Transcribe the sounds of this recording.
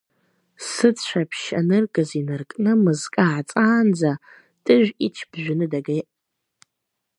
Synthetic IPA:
sɨt͡sʃʷʰapʰʃa̰nɨrɡʼɨzinɨrkʼnɨmɨzkʼaʕt͡sʼaːnd͡za | tʼɨʒʷᶣit͡ʃʰb̥ʒʷᶣɪnɨdaɡejʔ

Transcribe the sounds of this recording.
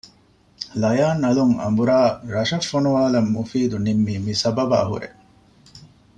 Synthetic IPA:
lɐjaːnɐluŋɐ̰mbuɾaːɾɐʃɐfːonuʋaːlɐmːufiːd̪unimːiːmisɐbɐba̰ːɦṵɾḛ

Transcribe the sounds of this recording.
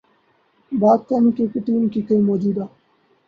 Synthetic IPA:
baːd̪̚kanikekɪʈiːnkiːkəĩːmoːd͡ʒuːd̪aː

